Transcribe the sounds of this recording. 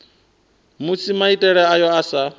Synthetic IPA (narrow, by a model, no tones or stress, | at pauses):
mut͡sʰimaitʼɛɺɛajɔasa